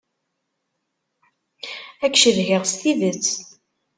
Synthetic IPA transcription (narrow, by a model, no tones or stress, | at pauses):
ækːʃəðɦɪʁst̪ivət͡sː